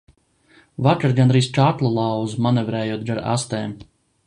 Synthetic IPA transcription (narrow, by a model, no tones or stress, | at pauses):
vat͡ʃaɾɡand̪ɾiːst͡ʃat̪lˠulˠɑwzmanɛvɾɛːjuɔt̪̚ɡaɾa̰st̪ɛːm